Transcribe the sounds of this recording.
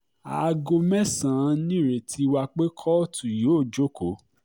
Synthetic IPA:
a˨˧ɡo˧mɛ̃˦sã˨˦nĩ˦˨ɾe˨tʰi˨˧wa˧k͡pe˦kʰɔ˦tʰu˨jo˨˦˨d͡ʒo˦ko˨˦

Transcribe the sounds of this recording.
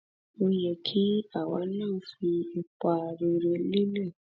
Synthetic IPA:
u˦je˨kʰi˦a˨wa˦na˦˨fi˧e˨ka˨ɾi˨ɾe˨li˦le˦˨

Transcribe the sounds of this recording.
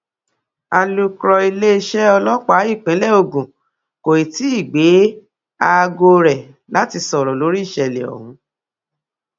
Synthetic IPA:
a˧lu˦kɾɔ˧i˧le˦ʃɛ˦ɔ˧lɔ˦k͡pa˦˨˦i˦˨k͡pɛ̃˨˦lɛ˦˨o˧ɡũ˨ | ko˨i˨ti˨˦i˦˨ɡ͡be˨˦ | a˦˧ɡo˧ɾɛ˨ | la˨˦ti˧sɔ˨ɾɔ˨lo˨˦ɾi˦i˦˨ʃɛ˧˨lɛ̰˨ɔ̰˨hũ˨˦

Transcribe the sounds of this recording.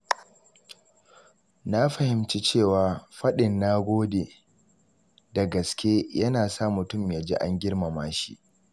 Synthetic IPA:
na˦ɸɐ˨hɪ˨mt͡ʃi˦t͡ʃeː˦˨waː˨ɸɐ˦ɗɪ˨nːaː˦ɡʷoː˦deː˨ | dɐ˨ɡɐ˨skʲeː˦jɐ˦naː˨sa˦mʊ˨tʊ˦˨mjaː˨d͡ʒḛː˦ʔa˦ŋɡʲɪ˦ɽma˨maː˦ʃḭ˦ʔ

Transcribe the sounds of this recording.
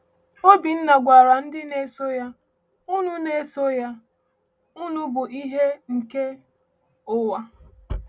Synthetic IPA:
o˦bi˨n̩˦na˨ɡʷa˨ɾa˨n̩˦dɪ˦ne˨˦so˦ja˦ | u˦nu˦ne˦so˦ja˦ | u˦nʊ˦bʊ˨ʔi˦ɦe˦ŋ̩˨ke˦ | ʊ˦wa˦

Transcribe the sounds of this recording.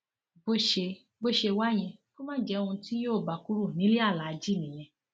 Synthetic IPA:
bo˦ʃe˧ | bo˦ʃe˧wa˦j̃ɛ̃˧ko˦mãː˦d͡ʒɛ˦˧ũ˧ti˦joː˦˨ba˨ku˦ɾu˦˨nĩ˨˦li˦a˦˨la˨˧˨d͡ʒi˦˨nĩ˨j̃ɛ̃˧

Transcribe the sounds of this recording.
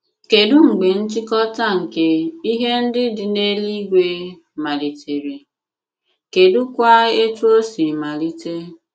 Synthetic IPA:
ke˨dʊ˦ŋ͡m̩˨ɡ͡be˨n̩˦t͡ʃɪ˦kɔ˦ta˦˨ŋ̩˨ke˦i˦ɦe˦n̩˦dɪ˦dɪ˨ne˦li˦ɡʷe˦ | ma˨li˨te˨ɾe˨ | ke˨dʊ˦kʷa˦e˦tu˦o˦si˨ma˨li˦te˦

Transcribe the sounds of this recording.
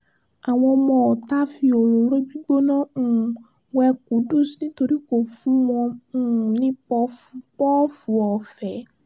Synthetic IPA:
a˨w̃ɔ̃˧ɔ˧mɔ̃˧˨ta˦fi˧o˨ɾo˨ɾo˦bi˦ɡ͡bo˦nã˦˨ | wɛ˧ku˨˦du˦˨snĩ˦to˧ɾi˦ko˨fũ˨˦mɔ̃˧˦nĩ˦pɔ˧fu˧pɔ˦fu˨˦ɔ˨fɛ˨˦

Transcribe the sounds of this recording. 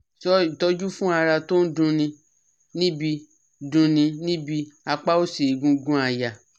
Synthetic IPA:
ɔ˦i˨tɔ˦d͡ʒu˦fũ˦a˧ɾa˧to˦n̩˦dũ˧nĩ˧ | nĩ˦bi˧ | dũ˧nĩ˧nĩ˦bi˧a˧k͡pa˦o˦si˨i˨ɡũ˧ɡũ˦a˧˨ja˨

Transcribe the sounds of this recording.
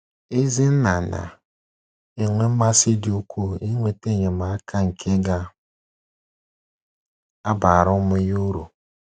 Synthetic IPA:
e˦zɪ˦n̩˦na˨na̰˨ | e˨ŋʷe˦m̩˦ma˦sɪ˦dɪ˨o˦kʰʷu˦˨i˦ŋʷe˦te˦˨ɲe˨ma˨a˦kʰa˦ŋ̩˨kʰe˦ɡa˦ | a˦ba˨ɾʊ˦mʊ˦ju˦ɾṵ˨

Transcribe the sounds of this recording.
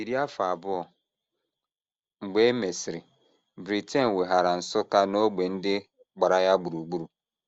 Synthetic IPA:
i˨ɾi˦a˦fa˨a˨bʊ˦ɔ˨ | ŋ͡m̩˨ɡ͡be˦me˨sɪ˨ɾɪ˨ | bɾi˨te˦n˨we˨ɦa˨ɾa˨n̩˨sʊ˦ka˦no˦ɡ͡be˨n̩˦dɪ˦ | ɡ͡ba˨ɾa˨ja˦ɡ͡bu˨ɾu˨ɡ͡bu˦ɾu˨

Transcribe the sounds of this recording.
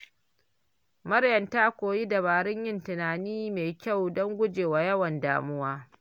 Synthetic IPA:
mɐ˦rjɐ˨ntaː˦kʷoː˨jiː˦dɐ˨βaː˨ɾɪ˦ɲjɪ˦ntɪ˨naː˨niː˦meː˨kʲa˦˨wdɔ˦ŋɡʷʊ˦d͡ʒeː˨waː˨jɐ˦wɐ˨nda̰ː˨mʊ˦waː˦

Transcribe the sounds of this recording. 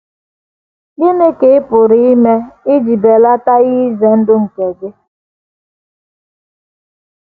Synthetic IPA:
ji˦ne˦ke˨˦ɪ˦pʊ˨ɾi˦i˦me˦ɪ˦d͡ʒi˨be˨la˦ta˦ɣi˦ze˨n̩˦dʊ˦ŋ̩˨ke˨dɪ˦

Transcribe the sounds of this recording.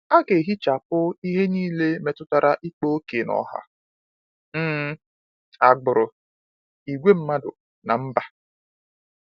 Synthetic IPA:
a˦ke˨ɦi˦t͡ʃa˨pʊ˦i˦ɦe˦niː˦le˦me˨tʊ˦ta˨ɾa˦ʔi˦k͡po˦o˦ke˨nɔ̰˨ɦa̰˦ | m̩ː˦ | a˨ɡ͡bʊ˨ɾʊ˨ | i˨ɡʷe˦m̩˦ma˦dʊ̰˨ | na˨m̩˦ba˨

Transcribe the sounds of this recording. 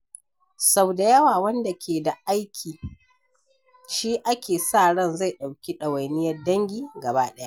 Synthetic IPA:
sa˦wda˨jɐ˦waː˨wɐ˦nda˨kʲʰeː˨da˨ʔa˦jkʲʰiː˨ | ʃiː˦ʔa˦kʲeː˨saː˦˨ɽɐ˦˨nza˦˨jɗa˨wkʲi˦ɗɐ˨wa˨jnɪ˦jɐ˦rdɐ˦ŋɡʲiː˦˨ɡɐ˨baː˦ɗɐ˦ja˦ʔ

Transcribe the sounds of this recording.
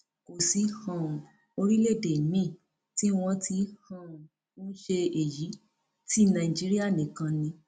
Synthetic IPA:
ko˨si˨˧hã˨ | o˧ɾi˦le˦˨de˨mĩ˦˨ | ti˦w̃ɔ̃˧ti˧hã˨ | ũ˦ʃe˧e˨ji˨˦ | ti˦nã˧˨i˨d͡ʒi˦ɾi˦a˦˨nĩ˨kã˧nĩ˧˦

